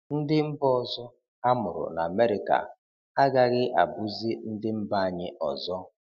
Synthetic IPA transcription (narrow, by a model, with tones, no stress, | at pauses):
n̩˦dɪ˦m̩˦bɔ˦˨zɔ˦ | a˦mʊ˨ɾʊ̰˨na˨a˨me˦ɾɪ˨ka̰˨ | a˦ɡa˨ɣɪ˦ʔa̰˨bu˦zi˦n̩˦dɪ˦m̩˦ba˦a˨ɲɪ˦ʔɔ̰˨zɔ˦